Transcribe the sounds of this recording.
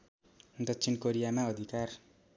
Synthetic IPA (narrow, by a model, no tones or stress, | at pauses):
d̪ʌtːsʰinkoɾijamaʌd̪ʱikar